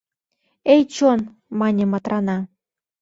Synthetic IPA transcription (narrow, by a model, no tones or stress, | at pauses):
ejt͡ɕon | mɑnʲĕmɑt̪ɾɑnɑ